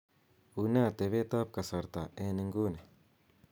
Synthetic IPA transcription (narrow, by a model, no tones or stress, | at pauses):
unat̪eβet̪ap̚kasaɾt̪aʔeneŋɡune